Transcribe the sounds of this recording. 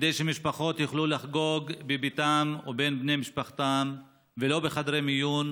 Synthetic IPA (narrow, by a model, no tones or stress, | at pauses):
d̪ejʃemiʃpaχo̞t̪juχlulaχɡo̞ɡbebit̪amobe̞nbnemiʃpaχt̪am | velo̞beχad̪ʁemijun